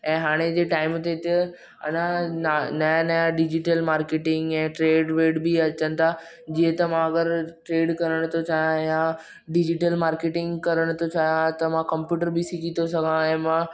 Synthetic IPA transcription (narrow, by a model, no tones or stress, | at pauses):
ɛ̃ːɦaːɽ̃ed͡ʑeːʈaːɪmt̪et̪e | ɐ̰nãnanɐjanɐjaɖɪd͡ʑiʈəlmaːɾkeːʈɪ̃ŋɡɛ̃ːʈɾeːɖʋeːɖbiɐt͡ɕənɪ̆t̪ʰa | d͡ʑiə̃t̪ɐmãɐɡəɾʈɾeːɖkɐɾəɽ̃ʊt̪ʰot͡ɕaːɦijãjã | ɖɪd͡ʑiʈəlmaːɾkeːʈɪ̃ŋɡkɐɾəɽ̃ʊt̪ʰot͡ɕaːɦijãt̪ɐmãkɐ̃mpjuːʈəɾbisiɡʱit̪osɐɡʱãɛ̃ːmã